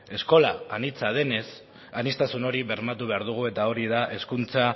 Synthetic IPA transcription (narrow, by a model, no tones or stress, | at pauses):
e̞sko̞laːnit͡sað̞e̞ne̞s | anist̪asuno̞ɾiβe̞ɾmat̪uβe̞aɾðuɣ̞ue̞t̪ao̞ɾið̞aʔe̞skunt͡sa